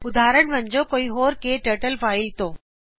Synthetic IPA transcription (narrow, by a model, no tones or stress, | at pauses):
ʊd̪ʱaːɾəɳ̃ʋəɲd͡ʑokoːiɦoːɾkeːʈəːɾʈəlfaːilt̪oː